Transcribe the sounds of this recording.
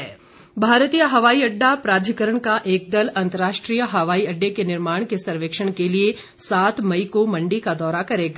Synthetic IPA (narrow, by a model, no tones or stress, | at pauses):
ɛ | bʱaːɾt̪ijəɦɐʋaːiɐɖːapɾaːd̪ʱikəɾəɳ̃kaʔeːk̚d̪əlɐ̃nt̪əɾaːʃʈɾijəɦɐʋaːiɐɖːekenɪɾmaːɽ̃kesɐɾʋeːkʃəɽ̃kelie | saːt̪mɐikomɐ̃ɳɖikad̪ɔːɾakɐɾeːɡa